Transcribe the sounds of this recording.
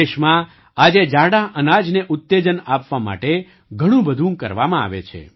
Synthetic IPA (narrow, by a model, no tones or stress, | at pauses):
eʃmã | ad͡ʒed͡ʒaɽaʔənad͡ʒneʔʊt̪ːed͡ʒənapʋama̰ʈe | ɡʱəɽ̃ũbəd̪ʱũkə̰ɾʋamãa̰ʋḛt͡ʃʰḛ